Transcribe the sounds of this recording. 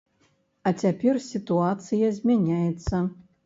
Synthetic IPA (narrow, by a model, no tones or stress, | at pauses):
at͡sʲapʲersʲit̪uat̪sɨjɐzʲmʲanʲajɛt̪sɐ